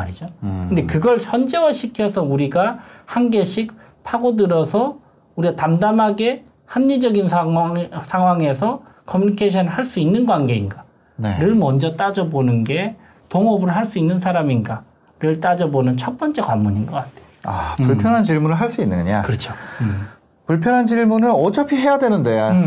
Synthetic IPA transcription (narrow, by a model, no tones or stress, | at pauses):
aɾid͡ʑokɯnde̞kɯɡʌɭçjʌnd͡ʑe̞waɕʰikʰjʌsʰʌuɾiɡahanɡe̞ɕʰik̚ | pʰaɡodɯɾʌsʰʌ | uɾiɡatamdamɦaɡe̞ | hamɲid͡ʑʌɡinsʰasʰaŋɦwaŋe̞sʰʌ | kʰʌmjuɲikʰeɕʰʌnɯɭɦaɭs͈uinːɯnɡwanɡe̞inɡa | nḛɾɯɭmʌnd͡ʑʌt͈ad͡ʑʌbonɯnɡe̞ | toŋʌbɯɾɯɭɦaɭs͈uinːɯnsʰaɾaminɡa | ɾɯɭt͈ad͡ʑʌbonɯnt͡ɕʰʌt̚p͈ʌnt͡ɕ͈e̞kwammuɲinɡʌk͈atʰejoa̰puɭpʰjʌnɦant͡ɕiɭmunɯɭɦaɭs͈uinːɯnɡɯɲa̰kɯɾʌt͡ɕʰo | puɭpʰjʌnɦant͡ɕiɭmunɯnʌt͡ɕʰʌpʰiɦe̞jadwe̞nɯnde̞ja